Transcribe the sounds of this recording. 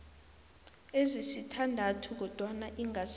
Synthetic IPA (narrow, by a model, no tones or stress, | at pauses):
ezisitʰandʱatʰuk̬ɔd̥ʱwanaʔiŋas